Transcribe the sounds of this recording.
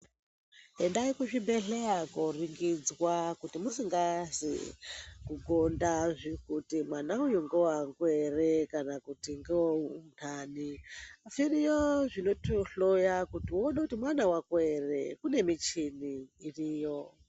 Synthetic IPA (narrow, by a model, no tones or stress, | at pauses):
ɦendaikuʐibeɬeakoriŋɡid͡zwakutimusiŋɡazḭ | kuɡʱondaʐikutimwanaujuŋɡowaŋɡwerekanakutiŋɡeounʰaniafirijoʐino̞toɬojakutiwoɗakutimwanawakwere̞kune̞mit͡ʃiniːrijo̞